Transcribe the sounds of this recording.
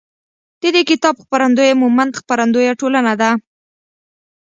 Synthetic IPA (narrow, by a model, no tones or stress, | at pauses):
d̪̥əd̪ekɪt̪ɑbxpaɾand̪ojemumand̪xpaɾand̪ojaʈolanad̪a